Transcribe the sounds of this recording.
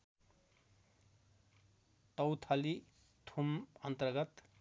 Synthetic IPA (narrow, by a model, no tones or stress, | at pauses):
t̪ʌwt̪ʰali | t̪ʰumʌnt̪ʌrɡʌt̪